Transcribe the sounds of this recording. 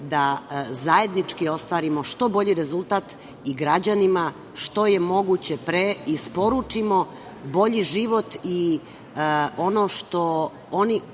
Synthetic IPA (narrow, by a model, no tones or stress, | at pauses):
d̪azaje̞d̪nit͡ʃkio̞st̪ʋaːɾimo̞ʃt̪o̞bo̞ʎiɾe̞zult̪aːt̪ | iɡɾad͡ʑanima | ʃt̪o̞je̞mo̞ɡut͡ɕe̞pɾeispo̞ɾut͡ʂimo̞ | bo̞ʎiʒiʋo̞t̪i | o̞no̞ʃt̪o̞ | oni